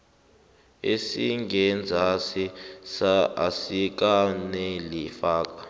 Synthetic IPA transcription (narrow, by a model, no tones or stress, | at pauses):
esiŋʱɛnd͡zʱasisaa̰sik̬anɛlifaːk̬ḁ